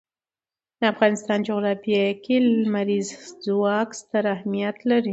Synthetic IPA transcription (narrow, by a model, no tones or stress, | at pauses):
d̪əafɣɑnɪst̪ɑnd͡ʒoɣɾɑfikilmaɾizzwɑkst̪əɾahmijat̪laɾi